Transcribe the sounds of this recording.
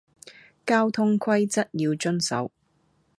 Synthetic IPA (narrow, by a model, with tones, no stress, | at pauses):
kaː˥wt̪ʰʊ˥ŋkʰɐ˥jt͡sɐ˥t̚jiː˧wt͡ʃɵ˥nsɐ̰˨˥w